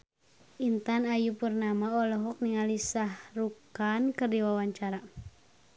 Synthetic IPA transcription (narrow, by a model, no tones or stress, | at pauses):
int̪anajupurnamaɔlɔɦɔk̚niŋalisahrukankɨrdiwawaɲt͡ʃaɾa